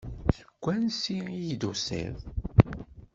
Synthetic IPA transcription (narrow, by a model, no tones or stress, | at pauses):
θɡʷːænsiid̪usḭð